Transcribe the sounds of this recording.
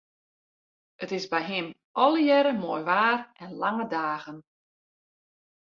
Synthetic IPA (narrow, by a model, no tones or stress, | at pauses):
ətɪsbɛjɦɪm | ʔɔlˠəjɛɾəmoːjʋaːrʔɛnlaŋədaːɣən